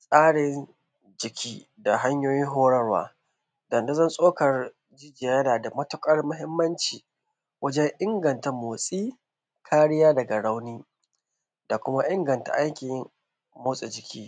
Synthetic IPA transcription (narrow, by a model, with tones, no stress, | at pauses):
sʼaː˦ɽɪ˨n | d͡ʒɪ˨kʲʰiː˦ | da˨ɦa˦ɲjoː˦jɪ˦ŋɦoː˦ɽɐ˦rwa̰ː˦ | dɐ˨nda˦zɐ˦nsʼoː˦kɐ˨r | d͡ʒɪ˦d͡ʒɪ˨ja˨jɐ˦naː˨da˨mɐ˦tʊ˦kʼɐ˦rmʊ˦ɦɪ˦mːɐ˦nt͡ʃiː˨ | wʔɐ˦d͡ʒɛ˦ɲʔɪ˦ŋɡɐ˨nta˨moː˨sʼiː˦ | kʰaː˦ɽɪ˦jaː˦dɐ˨ɡa˨ɽa˦wniː˦ | da˨kʷʊ˦ma˦ʔɪ˦ŋɡɐ˨nta̰˨ʔa˦jkʲɪ˨ | moː˦sʼe˨d͡ʒɪ˨kʲʰiː˦